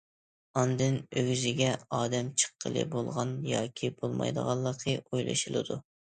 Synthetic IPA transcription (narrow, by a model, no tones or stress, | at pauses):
ɑnd̪ɨnøɡʲyzɪɡʲɛɑːd̪ɛmt͡ʃʰə̥qːəlˠɨ̰bolˠʁɑnjɑːkʲʰibolˠmɑ̰jd̪əʁɑlˠːəqʰəojlˠʔɨ̰ʃɨlˠɨd̪u